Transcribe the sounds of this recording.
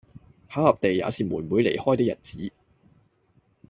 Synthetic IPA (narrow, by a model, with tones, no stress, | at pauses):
haː˨˥whɐ˨p̚t̪e˨ja̰ː˨˧siː˨muː˨˩nmuː˨˧jle˨˩jhɔː˥jt̪ɪ˥jɐ̰˨˩t̚t͡siː˨˥